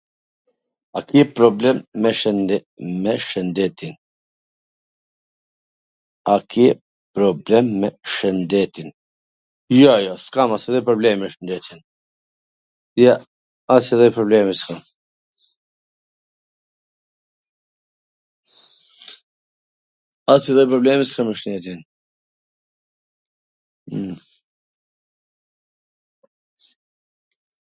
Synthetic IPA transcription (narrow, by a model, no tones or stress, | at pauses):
akiɛpɾɔblɛmːɛ | mɛʃənd̪ɛt̪in | akʰiɛ | pɾɔblɛmːɛʃənd̪ɛt̪in | jɔjɔskamasɛðɔjpɾɔblɛmɛʃənd̪ɛt̪ɛn | ija | asiðəjpɾɔblemiskam | asid̪əjpɾɔblemiskɐmiʃnet̪in